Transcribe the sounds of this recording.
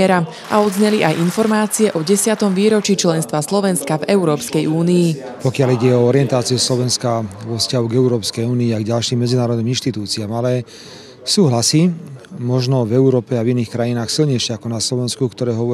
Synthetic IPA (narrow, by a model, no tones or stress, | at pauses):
ɛɾa | ʔa̰ɔd̪zɲɛliʔajʔinfɔɾmaːt͡siɛʔɔɟɛsɪat̪ɔmʋiːɾɔt͡ʃit͡ʃlɛnst̪ʋaslɔʋɛnskavɛuɾɔːpskɛjuːniː | pɔkɪaliɟɛɔɔɾɪɛnt̪aːt͡siuslɔʋɛnskaʋɔfscaɦuɡɛuɾɔːpskɛjuːniːaɡɟalʃiːmːɛd͡zinaːɾɔd̪niːminʃt̪it̪uːt͡siaːmalɛ | suːɦlasiːmɔʒnɔvɛuɾɔːpɛaviniːxkɾajinaːxsilɲɛjʃɛakɔnaslɔʋɛnskukt̪ɔɾɛːɦɔʋɔ